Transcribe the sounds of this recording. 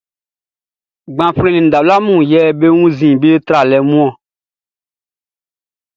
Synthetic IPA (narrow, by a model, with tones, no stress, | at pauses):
ɡ͡bã˨fɾẽ˦˨nĩ˨da˨la˦mũ˦˨jɛ˦be˦wũ˦zĩ˨be˦t̪ɾa˨lɛ˨mũ˦ɔ̃˨